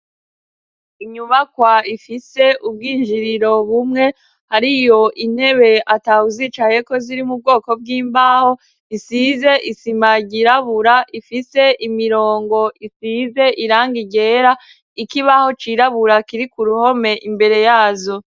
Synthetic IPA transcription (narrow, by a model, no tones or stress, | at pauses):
iɲuβakwaifise̞ʔub̚ɡiːnʒiɾiɾo̞βumŋe̞ | haɾijo̞ʔin̥he̞βe̞atahuziːt͡ʃaje̞ko̞ziɾimub̚ɡo̞ːko̞b̚ɡiːmbaːho̞ | isize̞ʔisimaɟiɾaβuɾaʔifise̞ʔimiɾoːŋɡo̞ʔisize̞ʔiɾaːŋɡiɟe̞ːɾa | ikiβaho̞t͡ʃiɾaβuɾakiɾikuɾuho̞me̞ʔimbe̞ɾe̞jaːzo̞